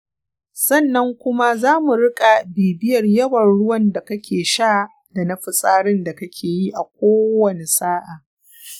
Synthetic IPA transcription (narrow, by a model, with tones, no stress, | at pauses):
sɐ˦˨nːɐ˦ŋkʷʊ˦ma˦zaː˦mu˨ɽɪ˦kʼa˨biː˨bɪ˦jɐ˨rjɐ˦wɐ˨rɽʊ˦wɐ˨nda˨kɐ˦kʲʰeː˨ʃaː˦ | da˨nɐ˦ɸɪ˨sʼaː˦ɽɪ˦nda˨kɐ˦kʲʰeː˨ji˦ʔa˨kʷoː˦wɐ˦ne˨saː˦ʔaː˨